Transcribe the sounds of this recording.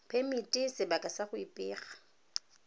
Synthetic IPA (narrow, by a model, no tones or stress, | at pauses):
pʰemitʼɪsɪbakʼasaχʊipʼɪːχḁ